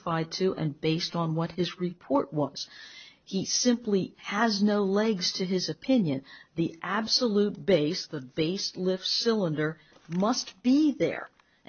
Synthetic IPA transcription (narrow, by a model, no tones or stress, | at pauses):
faɪd̚tʰɨʔɨ̰̃nbeɪstn̩wʌt̚hɨzɹɨpʰɔɹʔ̚wʌz̥isɪ̃mpliɨznoʊlɛɡz̥tʰɨɪzɨpʰɪ̃njɨ̃nðiʔæbsəlut̚b̥eɪsðəbeɪstˡlɪfsɪlˠə̃ndə˞ | mʌst̚b̥iðə̰˞